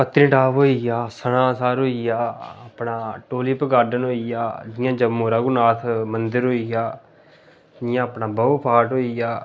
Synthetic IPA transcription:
pət̪ɾĩʈaːʋoːijaːsəɽãːsaːɾoːijaːəpnaːʈoːliːpəɡaːɖənɦoːijaːd͡ʒɪjãːd͡ʒəmoːɾaːɡʊnaːt̪ʰmənd̪əɾɦoːijaː | ɪjãːəpnaːbəːpʰaːʈɦoːijaː

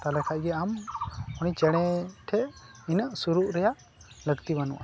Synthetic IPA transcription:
t̪alɛkʰaʔ̚ɡɛamɔnit͡ʃɛɽ̃ɛʈʰɛʔ | inəʔsuɾuʔɾɛjaʔ | ləɡt̪ibanṵʔa

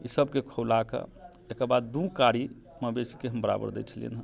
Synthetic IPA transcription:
isəbkekʰolakḛ | ekəɾbad̪d̪ũkaɽi | məbesi̥keɦəmbəɾa̰bə̰ɾd̪ɛ̰t͡ʃʰəlḭə̰nɦə̃

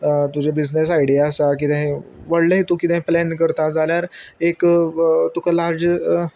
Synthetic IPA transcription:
t̪ud͡ʑebid͡znes̬ajɽiaəsak̬it̪ãɦẽʋəɽləɦet̪ũːkit̪ɛ̃ɦeplɛnkəɾt̪ad͡zaljaɾekt̪ukalaɾd͡ʑ

